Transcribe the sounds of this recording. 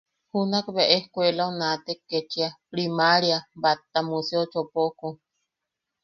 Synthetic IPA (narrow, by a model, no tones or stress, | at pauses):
hunakβeʔehkʷelaunat̪ekːet͡ʃiapɾimaɾjabat̪ːamuseot͡ʃopoku